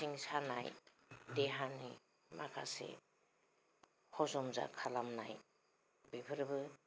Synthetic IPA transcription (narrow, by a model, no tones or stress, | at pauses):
iŋsana̰j | deɦanḭ | makʰasḛ | hɔzɔmza̰kʰalamna̰j | bipʰɯɾbɯ